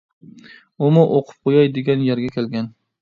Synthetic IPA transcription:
ʊmʊʔoqʰʊ̥p̚qʰojajd̪eɡʲanjaɾɡʲakʲʰelɡʲan

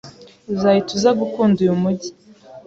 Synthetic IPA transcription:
uzajituzaɡukuːndujumuɟi̥

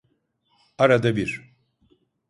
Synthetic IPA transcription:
aɾad̪abiɾ

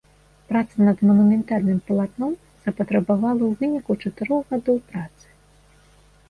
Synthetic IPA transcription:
pɾat̪sɐnɐd̪mɐnumʲɛnt̪alʲnɨmpɐlˠat̪nɔm | z̥ɐpɐt̪ɾɐbavalˠɐwvɨnʲikut͡ʂɐt̪ɨɾɔɣɣad̪ɔwpɾat̪sɨ̥

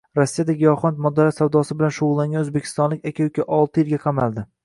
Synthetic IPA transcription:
ɾasːijad̪aɡʲɪjɒχɒnt̪mɒd̪aɾat̪sawd̪ɒsɪbɪlanʃʊʁʊlˠːaŋɡʲanɵzbekʲʰɪ̥st̪ɒnlɪkʲakʲʰajʊkʲʰaʔɒlˠt̪ʰɪjɪlɡʲaqʰɑmald̪ɪ

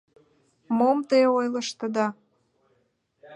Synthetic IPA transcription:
momt̪eojlə̆ʃt̪ə̆d̪ɑ

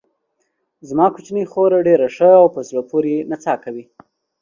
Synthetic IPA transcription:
zmɑkut͡ʃnəjxoɾaɖeɾaʂəawpəzɽapoɾenat͡sɑkawi

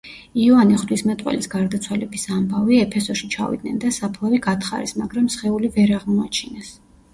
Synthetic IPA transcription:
iɔaniχd̪wismɛt̪ʼwɛ̰lisɡaɾd̪at̪sʰwalɛbisambaviɛpʰɛsɔʃit͡ʃʰa̰vḭd̪̚nɛnd̪asapʰlˠaviɡat̪ʰχa̰ɾɛ̰smaɡɾamsχɛulivɛɾaʁmɔat͡ʃʰinɛs

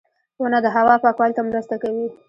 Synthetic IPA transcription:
onad̪əɦawɑpɑkwɑlt̪amɾast̪akawi

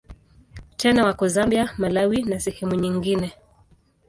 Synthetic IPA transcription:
t͡ʃɛnawakɔzambiamalawinasɛhɛmuɲiŋɡinɛ

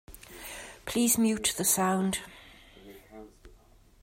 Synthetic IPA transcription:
pʰl̥iːzmjʉˑʔðəsãʊ̃nd̥

